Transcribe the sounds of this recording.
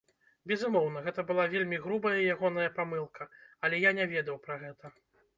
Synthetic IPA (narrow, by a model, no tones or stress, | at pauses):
bʲɛzumɔwn̪ɐɣɛt̪ɐbɨlˠavʲelʲmʲiɣɾubɐjɐijaɣɔnɐjɐpamɨlˠkʰɐɐlʲɛjanʲɛvʲɛd̪ɐwpɾaɣɛt̪ɐ